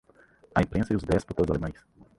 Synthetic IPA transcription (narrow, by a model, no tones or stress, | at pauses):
ɐẽpɾẽsɐiʊzd̪ɛspʊɾt̪od̪zalemãjs